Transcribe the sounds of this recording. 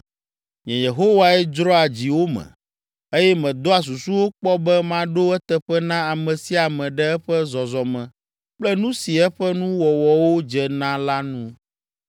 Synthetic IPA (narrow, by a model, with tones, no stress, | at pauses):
ɲɛ̰̃˨je˨ɦo˦wa˦ɛ˦d͡ʒɾɔ˦a˨d͡ʑi˨wo˦mɛ̰̃˨ | e˦jɛ˦mɛ̃˨d̪o˦a˨s̬u˨su˦wo˦k͡pɔ˦bɛ˦mã˦ɖo˦ɛ˦t̪ɛ˨ɸɛ˦nã˦a˨mɛ̃˨si˦a˨mɛ̃˨ɖɛ˦ɛ˦ɸɛ˦zɔ˨zɔ˨mɛ̃˨ | k͡plɛ˦nũ˦si˨ɛ˦ɸɛ˦nũ˦wɔ˨wɔ˨wo˦d͡ʒɛ˨nã˦la˦nũ˦